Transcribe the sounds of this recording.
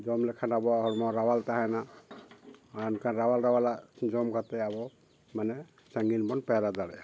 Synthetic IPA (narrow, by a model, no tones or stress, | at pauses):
d͡ʒɔmlɛkʰanabɔaɦɔlmɔɾawalt̪aɦajna | aɔnkʰanɾawalɾawalaʔd͡ʒɔmkʰat̪ɛabɔ | manɛ | saŋɡinbɔnpɛɾad̪alɛ